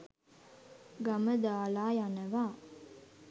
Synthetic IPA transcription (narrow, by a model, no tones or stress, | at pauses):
ɡaməd̪aːlaːjanəʋaː